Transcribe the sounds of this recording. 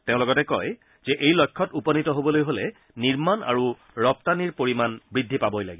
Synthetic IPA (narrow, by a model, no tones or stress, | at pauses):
teʊ̃lɔɡɔtɛkɔj | z̥ɛʔejlɔjkʰːɔtupɔnitɔɦobɔlojɦolɛ | niɹmana̰ɹu | ɹɔp̚taniɹpoɹimanbɹidʱːipabɔjla̰ɡi